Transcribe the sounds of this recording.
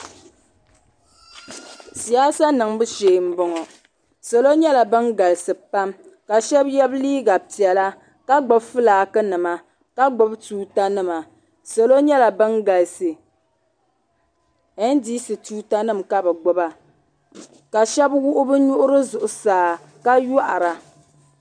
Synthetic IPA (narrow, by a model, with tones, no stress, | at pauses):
si˨a˦sa˦nɨ˨ŋbɨ˦ʃeː˨m̩˦bɔ˨ŋɔ˨ | so˨lo˦ɲɛ˦la˨bɨ˦nɡa˨lsɨ˨pa˦m | ka˨ʃɛ˦bjɛ˦bliː˦ɡa˨pi˨ɛ˨la˦ | ka˦ɡ͡bʊ˦bfɨ˦laː˨kɨ˦nɨ˨ma˨ | ka˦ɡ͡bʊ˦btuː˦ta˦nɨ˦ma˨ | so˨lo˦ɲɛ˦la˨bɨ˦nɡa˨lsɨ˨ | ɛ˦n̩˦di˦sɨ˨tuː˦ta˦nɨ˦mka˦bɛ˨ɡ͡bʊ˦ba˨ | ka˨ʃɛ˦bwʊ˦ʔʊ˦bɨ˦ɲʊ˦ʔʊ˦ɾɨ˦zʊ˨ʔʊ˨saː˨˦ | ka˦jʊ˦ʔa˨ɾa˨